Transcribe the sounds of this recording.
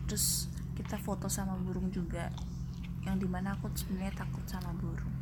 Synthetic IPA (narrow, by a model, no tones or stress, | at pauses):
t̪ɾʊs | kit̪afot̪ɔsamabuɾʊŋd͡ʒuɡa | jaŋdimanaːkusə̥əɲat̪akʊt̪̚samabuɾʊŋ